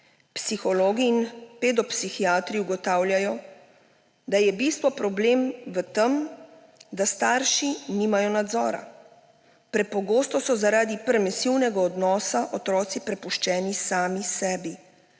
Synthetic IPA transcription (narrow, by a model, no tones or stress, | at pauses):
psixɔloːɡiːnped̪ɔpsixiaːt̪ɾiuɡɔt̪aːwljajɔ | d̪ajɛbist̪ʋɔpɾɔbleːmʋət̪əm | d̪ast̪aːɾʃiniːmajɔnad̪zɔːɾa̰ | pɾɛpɔɡoːst̪ɔsɔzaɾaːd̪ipɾɛmɛsiwnɛɡaɔd̪nɔːsaʔɔt̪ɾɔːt̪sipɾɛpuʃt͡ʃɛːnisaːmisɛːbi